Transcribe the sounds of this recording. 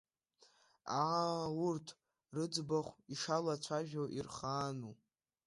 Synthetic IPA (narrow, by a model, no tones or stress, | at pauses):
aaurtʰ | rɨd͡zbaχʷiʂalat͡ɕʷʰaʒᶣowʔirχaːnu